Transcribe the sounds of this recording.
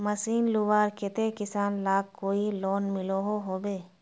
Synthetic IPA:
məsiːnlubaːɾkɪt̪ekɪsaːnlaːkːoːiloːnmɪloɦoɦoːbeː

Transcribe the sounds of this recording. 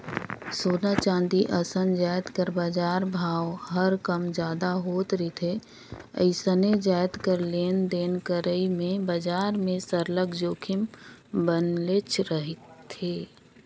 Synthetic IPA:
soːnat͡ʃãːnd̪iʔəsənd͡ʒaːjt̪kəɾbaːd͡ʒaːɾbʱaːwɦəɾkəmd͡ʒjaːd̪aɦoːt̪ɾit̪ʰe | ə̰ɪsəned͡ʒaːɪt̪kəɾleːnd̪eːnkəɾəimẽbəd͡ʒaːɾmẽsəɾləɡd͡ʒoːkʰɪmbənlet͡ʃʰɾəɦɪt̪ʰːeː

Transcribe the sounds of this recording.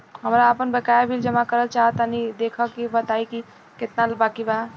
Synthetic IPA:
ɦəmɾaəpənbekabʱild͡ʒəmakəɾət͡ʃaɦət̪anid̪ekʰəkibət̪aiki | ket̪nalbakiba

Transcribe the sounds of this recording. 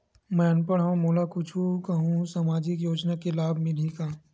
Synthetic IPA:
mɛ̃ɐnpəɽɦamoːlakʊt͡ʃʰukaɦũsaːmaːd͡ʒɪkjoːd͡ʒnakelaːbʱmɪlikaː

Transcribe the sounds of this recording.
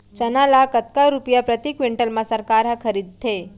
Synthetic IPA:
t͡ʃɐnalakət̪̚kaɾupjapɾət̪ikʋɪɳʈəlmãsəɾkaːɾɦãkʰəɾid̪̚t̪ʰe

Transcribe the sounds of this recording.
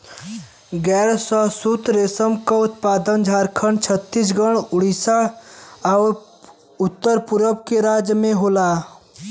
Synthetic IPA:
ɡɛːɾsəsut̪ɾeːsəmkaʊt̪paːd̪ənd͡ʒʱaːɾkʰənt͡ʃʰət̪ːis̬ɡəɽ̃ʊɽisa | ɔʊɾ | ʊt̪ːəɾpʊɾəbkeɾaːd͡ʒjəmẽɦoːlaː

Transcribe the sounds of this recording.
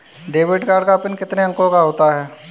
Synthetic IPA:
ɖeːʋɪʈkaːɾɖkapɪnkɪt̪neɐ̃ŋkõkaɦoːt̪aɦɛː

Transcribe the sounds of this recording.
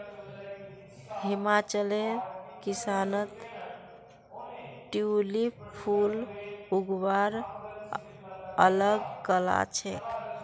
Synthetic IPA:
himat͡ʃəlekisanət̪ | ʈiulipʰuluɡbaɾ | ələɡkəla̰t͡ʃʰɛ̰k

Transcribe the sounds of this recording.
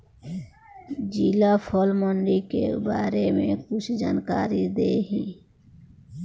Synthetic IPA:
d͡ʒiːlapʰoːlmɔɳɖikebaːɾemḛ̃kʊt͡ʃʰd͡ʒaːnkaːɾid̪eːɦĩː

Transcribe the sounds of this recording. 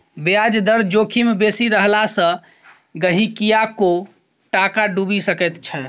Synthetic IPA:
bead͡ʒd̪əɾd͡ʒokʰimebesiɾəɦlasə̃ | ɡəɦikijako | ʈakaɖubisəkɛt̪t͡ʃʰɛ

